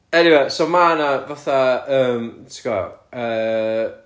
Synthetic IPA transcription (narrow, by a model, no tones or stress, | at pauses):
ɛniwesomanavaθaəːmtʰkɔ̰əː